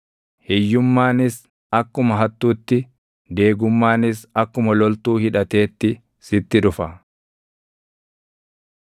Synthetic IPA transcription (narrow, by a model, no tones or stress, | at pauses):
hɛjːʊmːaːnɪs | ɐkːʊmɐɦɐt̪ːuːt̪ːɪ | d̪e̞ːɡʊmːaːnɪsɐkːʊmɐlɔlt̪uːhɪᶑɐt̪e̞ːt̪ːɪ | sɪt̪ːɪᶑʊfɐ